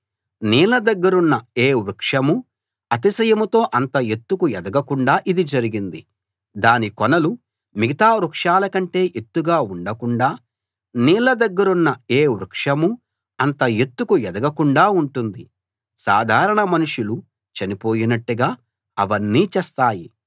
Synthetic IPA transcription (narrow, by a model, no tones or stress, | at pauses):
niːlɐd̪ɐɡːɐɾunːɐeːʋɾukʂɐmu | ɐt̪isɐjɐmut̪o̞ːʔɐnt̪ɐjet̪ːukujɛd̪ɐɡɐkuɳɖaːʔid̪id͡ʒɐɾiɡind̪i | d̪aːnikɔnɐlu | miɡit̪aːɾukʂaːlɐkɐɳʈe̞ːʔet̪ːuɡaːuɳɖɐkuɳɖaː | niːlɐd̪ɐɡːɐɾunːɐeːʋɾukʂɐmu | ɐnt̪ɐjet̪ːukuɛd̪ɐɡɐkuɳɖaːuɳʈund̪i | saːd̪ʱaːɾɐɳɐmɐnuʂjulu | t͡ʃɐnipo̞ːjinɐʈːuɡaː | ɐʋɐnːiːt͡ʃɛst̪aːji